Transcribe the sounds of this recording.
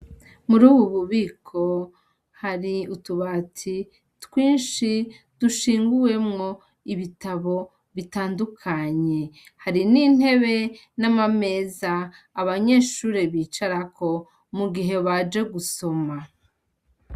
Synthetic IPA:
muɾuːβuβuβiːkʰo̞ | haɾiutuβatʰi | twiːnʃi | d̥uʃiːŋɡuwe̞mŋo̞ | iβitaβo̞ | βitaːndukʰaɲe̞haɾinin̥he̞βe̞ | namame̞ːzaː | βaɲe̞ːʃuːɾe̞βiːt͡ʃaɾakʰo̞ | muɡiɦe̞βad͡ʒe̞ɡuso̞ma

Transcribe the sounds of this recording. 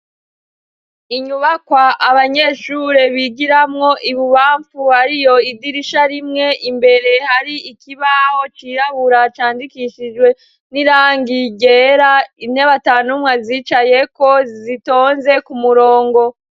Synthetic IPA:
iɲuβakwaʔaβaɲe̞ʃuɾe̞βiɡiɾamŋo̞ʔiβuβaːɱfuhaɾijo̞idiɾiʃaɾimŋe̞ʔimbe̞ɾe̞haɾiikiβaho̞t͡ʃiːɾaβuɾat͡ʃaːndikiʃid͡ʒɡwe̞ | niɾaːŋɡiɟeɾainhe̞βataːnumŋaziːt͡ʃaje̞ko̞zito̞ːnze̞kumuɾoːŋɡo̞

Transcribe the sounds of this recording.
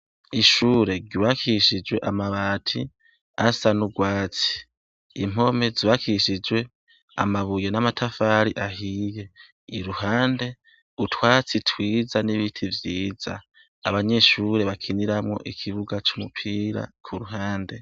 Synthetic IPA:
iʃuːɾe̞ɟiβakiʃid͡ʒweʔamaβatʰi | asanuɡwaːt͡si̥ | im̥o̞me̞ziβakiʃid͡ʒwe̞ | a̰maβujenamatʰafaɾiʔaɦiːje̞ | iɾuhaːnde̞ | utʰwaːt͡sitʰwiːzaniβitʰivjiːz̥a̰ | a̰βaɲe̞ʃuɾe̞βakʰiniɾamŋo̞̰ʔikʰiβuɡat͡ʃumupʰiɾa̰kʰuɾuɦaːnde̞

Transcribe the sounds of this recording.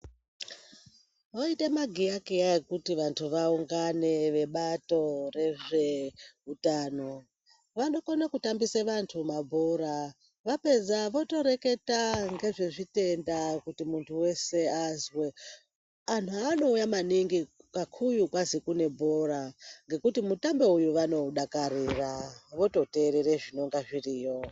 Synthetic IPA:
ʋoitemaɡʱijakiaekutiʋantʰuʋauŋɡane̞ʋe̞ɓato̞re̞ʐe̞utaːno̞ | ʋano̞konakutambiseʋantʰumabʱoɾa | ʋape̞d͡zaʋo̞to̞ɾe̞ke̞taŋɡe̞ʐe̞ʐite̞ndakutimuntʰuwe̞seazwe | antuano̞ujamaniŋɡikakʰujukwazikune̞bʱo̞ɾaŋɡe̞kutimutambe̞ujuʋano̞ɗakaɾiraʋo̞to̞te̞ɾeɾeʐino̞ŋɡaʐiriːjo

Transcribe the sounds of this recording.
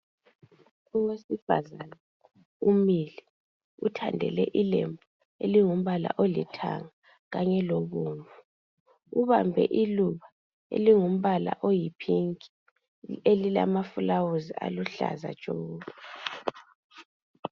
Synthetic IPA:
uwesifa̰zana | umili | utʰandʱɛ̰lɛ̰ʔilembʱu | eliŋum̩βala̰ʔolitʰa̰ŋa | ɣaɲɛloβuːɱvu | uβambʱɛ̰ʔiluβa | ḛliŋum̩βala̰ʔojipʰiŋkʼi̥ | elila̰mafulawuzia̰luɬa̰za̰̥t͡ʃʼoːβa

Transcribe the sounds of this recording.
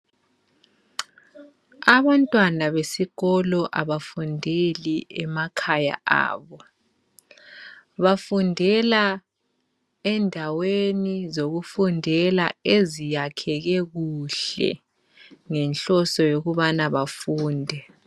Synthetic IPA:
aβantʼwanaβesiɣɔlɔʔaβafundʱeliɛmakʰaja̰a̰ːβɔ | βafundʱɛla | ɛndʱawenizoɣufundʱɛlaezijakʰɛɣɛɣuɬɛ̰ | ŋɛnɬɔsɔjoɣuβanaβafuːndʱɛ

